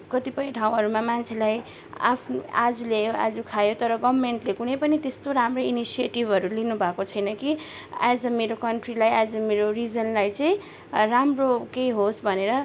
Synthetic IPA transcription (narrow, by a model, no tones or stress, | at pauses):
kʌt̪ipʌjʈʰãw̃ɦʌɾumamant͡sʰelaj | a̰pʰnad͡zulejoa̰d͡zukʰajot̪ʌɾʌɡʌbmeɳʈlekunʌjpʌnit̪est̪oɾamrʌinisieʈibʱʌɾulinubʱakot͡sʰʌjnʌki | ad͡zʌmeɾokʌɳʈrilajad͡zʌmeɾoɾid͡zʌnlajt͡sʌ̃j̃ | ramrokejɦosbʱʌneɾʌ